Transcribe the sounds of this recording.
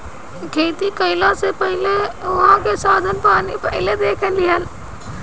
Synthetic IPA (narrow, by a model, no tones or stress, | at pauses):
kʰeːt̪ikɐɪlasepɐɦɪleʊɦãkʰesaːd̪ʱənɪ̆paːnipɐɦɪled̪eːkʰənɪ̆lɪɦən